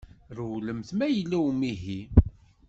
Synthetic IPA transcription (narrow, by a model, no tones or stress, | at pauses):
ɾwləmθmæjəlːæwmiɦi